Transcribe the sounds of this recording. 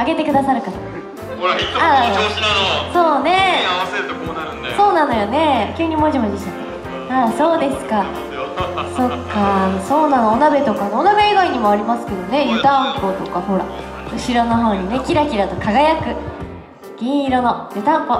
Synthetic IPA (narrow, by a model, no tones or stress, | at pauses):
aɡe̞t̪e̞kɯ̟d̪asaɾɯ̟kaɾa | a | so̞ːne̞ | so̞ːnano̞jone̞kʲɯːɲ̟imoʑimod͡ʑiɕa | aːso̞ːd̪e̞sɨ̥ka | so̞kːaso̞ːnanoonabe̞t̪o̞kaneonabe̞ːɡaiɲ̟imo̞aɾʲimasɨ̥ke̞d̪o̞ne̞jɯ̟t̪ãŋko̞t̪o̞kaho̞ɾa̰ | ɯ̟ɕiɾonoɦo̞ːɲ̟ine̞kʲiɾakʲiɾat̪o̞kaɡajakɯ̟ | ɡ̥ʲĩɰ̃iɾono̞jɯ̟t̪ãŋko